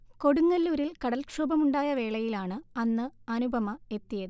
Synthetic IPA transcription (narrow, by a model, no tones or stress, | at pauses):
ko̞ɽuŋːɐlːuɾilkɐɽɐlkʂoːbɐmuɳɖaːjɐʋe̞ːɭɐjilaːɳɨɐnːɨɐnubʱɐmɐe̞t̪ːijɐðɨ